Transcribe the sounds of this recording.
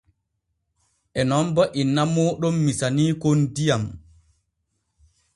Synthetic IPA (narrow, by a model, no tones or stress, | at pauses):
ʔɛnɔmbaʔinːamɔɗɔmːisaniːkondijam